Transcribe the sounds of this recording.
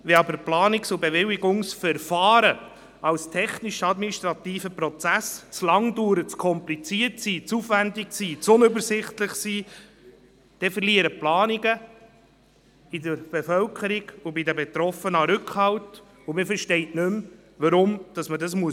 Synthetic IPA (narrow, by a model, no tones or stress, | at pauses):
ʋɛɑbəɾplɑːnɪksʊbeʋɪwiɡʊŋsfɛɾfɑːɾə | ɑwstʰɛχniʃɑd̪miniʃt̪ɾɑt̪iːfəpɾɔt͡sæst͡slɑŋduːɾət͡skʰɔmplit͡siətsiːt͡suːfʋændɪksiːt͡sʊnʏbəɾsɪχtləχsiː | d̥ɛfəɾliəɾəplɑːniɡə | idəɾb̥efœlkʰəɾiɡʊbidəbɛt̪ɾɔfənɑɾʏkχhɑlt | ʊmɪfəɾʃtɛɪtnʏm | ʋɑɾʊmd̥ɑsmədɑsmuə